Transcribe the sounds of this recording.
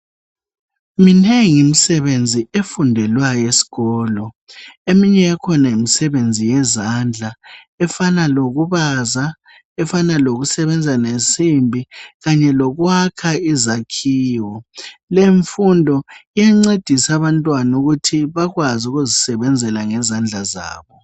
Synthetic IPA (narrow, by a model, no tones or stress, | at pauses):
mineŋimisɛβend͡zʱiʔefundʱɛlwajesi̥ɣɔːlɔ | emiɲɛakʰɔnaimisɛβend͡zʱijɛzand͡ɮʱa | ɛfanaloɣuβaza | ɛfanaloɣusɛβɛnd͡zʱanesimbʱiɣaɲɛlɔɣwakʰaizakʰiːwɔleɱfundʱɔijaŋ͡ǀed̥ʱisaβantʼwanuɣutʰiβaɣwazuɣuzisɛβɛnd͡zʱɛlaŋɛzand͡ɮʱaza̰ːβɔ